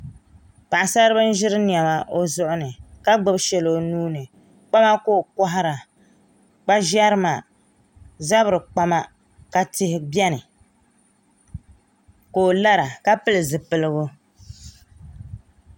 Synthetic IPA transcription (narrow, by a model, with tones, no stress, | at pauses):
pa˨ʔa˨sa˦ɾɨ˦bɨ˦n̩˦ʒɪ˦ɾɨ˦ni˨ɛ˨ma˦ʔo˦zʊ˦ʔʊ˦nɨ˨ka˦ɡ͡bɨ˦bʃɛ˨lo˨nuː˦nɨ˨ | k͡pa˦ma˦koː˦˨kɔ˦ɦa˦ɾa˨ | k͡pa˦ʒa˦ɾɨ˦ma˨ | za˦bɨ˨ɾɨ˨k͡pa˦ma˦ | ka˨tɪ˦hɪ˦bjɛ˦nɨ˨ | koː˦˨la˦ɾa˨ka˦pɨ˦lɨ˨zɨ˨pɨ˨lɨ˦ɣʊ˦